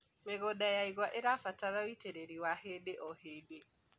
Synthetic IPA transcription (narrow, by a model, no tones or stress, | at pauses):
meɣodajaiɣwaʔeɾafataɾaitʰeɾeɾiwahedeʔɔhede